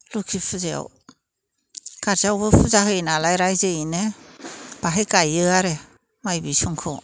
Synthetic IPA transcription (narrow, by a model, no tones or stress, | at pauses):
lukʰipʰɯzea̰w | kaɾzawbɯpʰɯzaɦɯjnalajɾajzeine | b̥aɦejkajɯaɾe | majbisuŋkʰɯ